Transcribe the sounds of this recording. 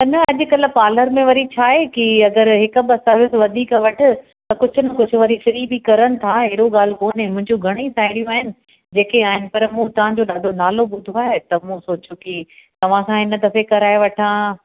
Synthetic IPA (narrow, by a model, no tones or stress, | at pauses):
t̪ɐnɐɐʄʊ̆kɐl̆paːləɾmẽʋɐɾit͡ɕʰaːɦekiɐɡəɾɦɪkbɐsaʋɪsʋɐd̪ʱiːkʋɐʈʰʊ̆ | t̪ɐkʊd͡ʑʱʊnɐkʊd͡ʑʱʊ̆ʋɐɾiʃɐɾibikɐɾənɪ̆t̪ʰaɦɪɦɪɽoɠaːl̤koːnemʊ̃ɦɪ̃ɲd͡ʑuɡʱɐɽ̃isaːɪɽijũaːɦɪnɪ̆ | d͡ʑeːkeaːɦɪnɪ̆pɐɾmũt̪ɐʋ̤ãd͡ʑoːɗaːd̪ʱonaːloɓʊd̪ʱoaːɦet̪ɐmũsoːt͡ɕokit̪ɐʋ̤ãkʰãɪnəd̪ɐfekɐɾaːjeʋɐʈʰãː